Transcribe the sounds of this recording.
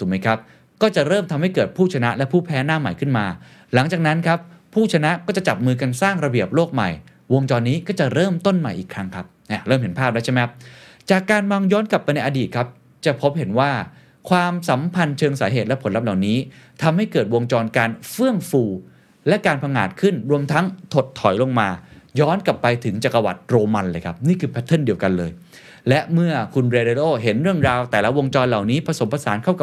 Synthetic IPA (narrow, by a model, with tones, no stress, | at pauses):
u˩˦ma˦˥jkʰa˦˥p̚ | kɔː˥˩t͡ɕa˨˩ɾɤː˥˩mt̪ʰa˧mha˥˩jkɤː˨˩t̪̚pʰuː˥˩t͡ɕʰa˧na˦˥ʔlɛ˦˥pʰuː˥˩pʰɛː˦˥naː˥˩ma˨˩jkʰɯ˥˩nmaː˧ | la˩˦ŋt͡ɕaː˨˩k̚na˦˥nkʰa˦˥pʰːuː˥˩t͡ɕʰa˧na˦˥ʔkɔː˥˩t͡ɕa˨˩t͡ɕa˨˩p̚mɯː˧ka˧nsaː˥˩ŋɾa˧bi˨˩əp̚loː˥˩k̚ma̰˨˩j | wo˧ŋt͡ɕɔː˧nːiː˦˥kɔː˥˩t͡ɕa˨˩ʔɾɤː˥˩mt̪o˥˩nma˨˩jʔiː˨˩kʰɾa˦˥ŋkʰa˦˥p̚ʔa˧˩ɾɤː˥˩mɦe˩˦npʰaː˥˩aː˦˥t͡ɕʰa˥˩m˦˥ | t͡ɕaː˨˩kːaː˧nmɔ˧ŋjɔː˦˥nkla˨˩pːa˧jna˧jʔa˧diː˨˩t̪̚kʰa˦˥p̚ | t͡ɕa˨˩pʰo˦˥p̚he˨˩˦nwaː˥˩ | kʰwaː˧msa˩˦mpʰa˧nt͡ɕʰɤː˧ŋsaː˩˦ɦeː˨˩lɛ˦˥pʰo˩˦nla˦˥p̚la˨˩wniː˦˥t̪ʰa˧mha˥˩jkɤː˨˩t̪̚wo˧ŋt͡ɕɔː˧nkaː˧nfɯ˥˩əŋfuː˧ | lɛ˦˥kaː˧npʰa˧ŋaː˨˩t̪̚kʰɯ˥˩nɾu˧əmt̪ʰa˦˥ŋt̪ʰo˨˩t̪ʰːɔ˨˩˦jlo˧ŋmaː˧jɔː˦˥nkla˨˩pːa˧jt̪ʰɯ˩˦ŋt͡ɕa˨˩kːa˧wa̰˨˩t̪̚ɾoː˧ma˧nlɤː˧jkʰa˦˥p̚niː˥˩kʰɯː˧˩pʰɛ˦˥t̪ʰːɤ˥˩ndi˧əwka˧nlɤː˧j | lɛ˦˥ʔmɯ˥˩ɐkʰu˧nɾeː˧ɾe˧loː˥˩ɦe˩˦nɾɯ˥˩əŋɾaː˧wt̪ɛː˨˩la˦˥wo˧ŋt͡ɕɔː˧nla˨˩wniː˦˥pʰa˧so˩˦mpʰa˧saː˩˦nkʰa˥˩wka˨˩